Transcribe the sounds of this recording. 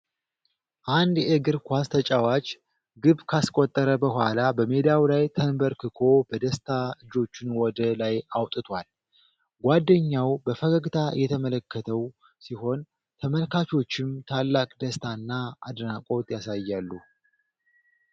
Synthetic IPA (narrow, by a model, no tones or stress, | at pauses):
ʔand̪eɡɨɾkʷast̪ʰət͡ʃʼawat͡ʃʼ | ɡɨβkʰaskʼot̪ʼːəɾəbəhʷa̰labəmed̪awlajt̪ʰənbəɾkʰɨkʰo̞bəd̪əst̪ʰaɨd͡ʒo̞t͡ʃːɪnwɔd̪əlajawt̪ʼɨt̪ʰwal | ɡʷad̪ːəɲːawbəfəɡəɡt̪ʰajʔɛt̪ʰəmələkʰːət̪ʰəw | siho̞n | t̪ʰəməlkʰat͡ʃo̞t͡ʃːɪmt̪ʰalːakʼd̪əst̪ʰanːaa̰d̪nakʼo̞t̪ʼjasajːalːu